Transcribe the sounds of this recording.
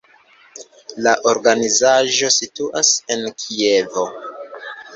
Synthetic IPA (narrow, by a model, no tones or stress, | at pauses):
laʔo̞ɾɡanizaʒo̞situʔase̞nkʰie̞vo̞